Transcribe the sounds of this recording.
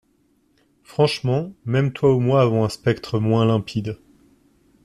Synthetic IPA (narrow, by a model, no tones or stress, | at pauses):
fχɑ̃ʃmɑ̃mɛmt̪waumwaːvɑ̃ɛ̃spɛkt̪χəmwɛ̃lɛ̃pʰid̪